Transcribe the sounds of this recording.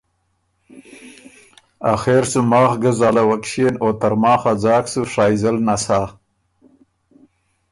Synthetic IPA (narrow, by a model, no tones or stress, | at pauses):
a̰xeːɾsumɑːχɡəzaːlawakʃenoːt̪aɾmɑːxad͡zɑːksuʂaːjzəlnasaː